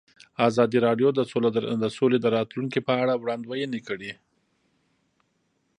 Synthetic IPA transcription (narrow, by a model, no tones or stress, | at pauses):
ɑzɑd̪iɾɑɖjod̪əod̪əsoled̪əɾɑt̪luŋkipəaɽawɽɑnd̪wajənekəɽi